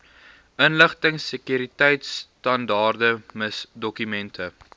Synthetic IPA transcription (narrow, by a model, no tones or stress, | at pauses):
ʔənləχtəŋsəkjyɾitɛjtstɐndɑːrdəməsdɔkymɛntʰə